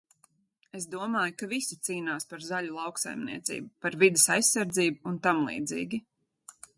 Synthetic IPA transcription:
es̬d̪uɔmaːjukavisit̪siːnaːspaɾzalulˠɑwksa̰jmnḭɛt̪sḭːbupaɾvid̪esajsːaɾd̪ziːbuunt̪amlˠḭːd̪zḭːɡʲi

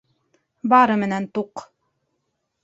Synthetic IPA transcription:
bɑɾɤmɘ̆nænt̪uq

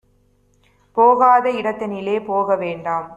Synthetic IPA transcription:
poːɣaːðɐɪɽɐt̪ːɐnɪleːpoːɣɐʋeːɳɖaːm

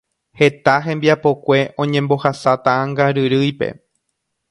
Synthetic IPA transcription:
he̞t̪aɦẽ̞mbiapo̞kʷe̞ʔõ̞ɲẽmbo̞hasat̪aãŋɡaɾɨɾɨjpe̞̰

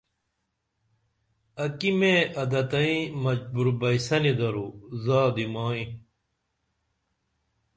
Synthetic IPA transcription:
ɐkimẽɐd̪ɐt̪ɐĩmɐd͡ʑbuɾbɐjsɐnid̪ɐɾuzaːd̪imaːĩ

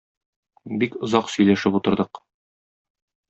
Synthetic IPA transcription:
bikŏzɑqsɵ̆jlæʃɘput̪ɤ̆ɾd̪ɤq

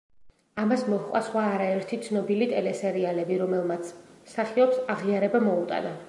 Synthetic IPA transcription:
amasmɔhqʼwa̰sχwaːɾaɛɾt̪ʰit̪sʰnɔbilit̪ʼɛlɛsɛɾialɛbiɾɔmɛlˠmat̪sʰsaχiɔpsaʁiaɾɛbamɔut̪ʼa̰na

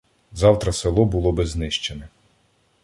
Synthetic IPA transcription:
zɑwt̪ɾɐselˠɔbʊlˠɔbɪznɪʃt͡ʃenɛ

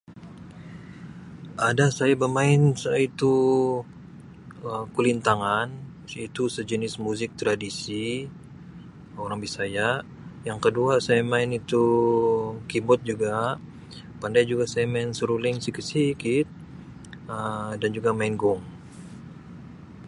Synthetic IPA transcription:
adasajabəmaɪnsajait̪u | əkulint̪aŋan | sit̪usəd͡ʒənɪsmuzɪk̚t̪ɾadisi | oɾaŋbisaja | jaŋkəduasajamaɪnit̪u | kibɔt̪̚d͡ʒuɡa | pandajd͡ʒuɡasajamaɪnsəɾulɪŋsikəsikɪt̪̚ | ədand͡ʒuɡamaɪnɡɔŋ

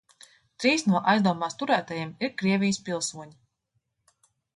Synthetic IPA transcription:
t̪ɾiːsnuɔʔajzd̪uɔmaːst̪uɾæːt̪ajiɛmiɾkɾiɛvʲijspʲilˠsuɔɲi

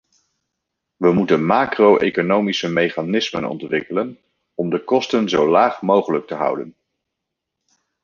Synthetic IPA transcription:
ʋəmutənmaːkrowʔḛjkonowmisəmejχanɪsmə̰nɔ̰ntʋɪkələn | ɔmdəkɔstənzowlaːχmowχələk̚təɦʌ̰wdən

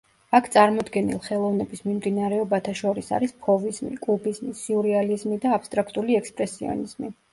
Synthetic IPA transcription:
akʰt̪sʼaɾmɔd̪ɡɛnḭlˠχɛlˠɔvnɛbismimd̪inaɾɛɔbat̪ʰaʃɔɾisa̰ɾispʰɔvizmḭkʼubizmisuuɾɛalizmid̪aːpst̪ʼɾakʰt̪ʼuliɛkspʼɾɛsiɔ̰niz̥mi

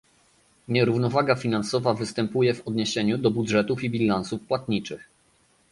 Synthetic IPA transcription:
ɲɛɾuvnɔvaɡafʲinansɔvavɘst̪ɛmpujɛvɔd̪ɲeɕeɲud̪ɔbudʐɛt̪ufibʲilansufpwat̪ɲit͡ʂɘx

